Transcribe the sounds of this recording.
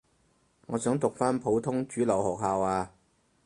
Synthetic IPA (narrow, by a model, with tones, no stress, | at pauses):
ŋɔː˨˧sœː˨˥ŋt̪ʊ˨k̚faː˥npʰo˨˧˥wt̪ʰʊ˥ŋt͡ʃyː˨˥lɐ˨whɔː˨˩k̚ɦaː˧waː˧